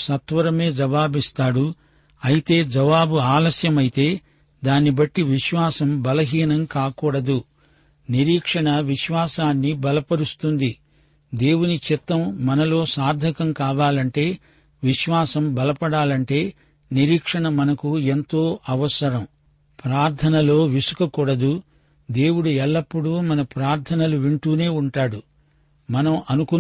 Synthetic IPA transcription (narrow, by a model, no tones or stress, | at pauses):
sɐt̪ʋɐɾɐme̞ːd͡ʒɐʋaːbist̪aːɽu | ɐjit̪e̞ːd͡ʒɐʋaːbuaːlɐsjɐmɐjit̪e̞ː | d̪aːnːibɐʈːiʋiʃʋaːsɐmbɐlɐɦiːnɐmkaːkuːɽɐd̪u | niɾiːkʂɐɳɐʋiʃʋaːsaːnːibɐlɐpɐɽust̪und̪i | d̪e̞ːwunit͡ʃit̪ːɐmːɐnɐlo̞ːsaːɾd̪ʱɐkɐmkaːʋaːlɐɳʈe̞ː | ʋiʃʋaːsɐmbɐlɐpɐɽaːlɐɳʈe̞ː | niɾiːkʂɐɳɐmɐnɐkuent̪o̞ːʔɐʋɐsɐɾɐm | pɾaːɾt̪ʰɐnɐlo̞ːʋisu̥kɐkuːɽɐd̪u | d̪e̞ːwuɽuɛlːɐpːuɽumɐnɐpɾaːɾt̪ʰɐnɐluʋiɳʈuːne̞ːuɳʈaːɽu | mɐnɐmʔɐnuku